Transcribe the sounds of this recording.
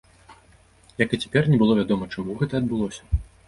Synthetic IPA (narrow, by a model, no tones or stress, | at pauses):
jɐkɨt͡sʲɛ̥pʲɛrnʲɛbɨlˠɔvʲad̪ɔmɐt͡ʂamuɣɛt̪ɐːd̪bɨlˠɔsʲɐ̥